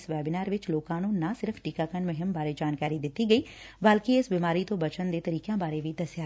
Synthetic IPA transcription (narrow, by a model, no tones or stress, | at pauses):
sʋɛːbɪnaːɾʋɪt͡ʃloːkãːnũːnasɪɾəpʰʈikaːkənmʊɦɪmbaːɾed͡ʒaːnkaːɾid̪ɪt̪ːiɡəiː | bəlkiɪsbimaːɾit̪õːbɐt͡ʃənd̪eːt̪əɾiːkjãːbaːɾeʋid̪ɐsjaː